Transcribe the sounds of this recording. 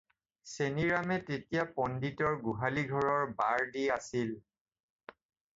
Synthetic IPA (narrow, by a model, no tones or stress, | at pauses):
seniɹamɛtetijapɔnditɔɹɡuɦaliɡʱɔɹɔɹbaɹdiasil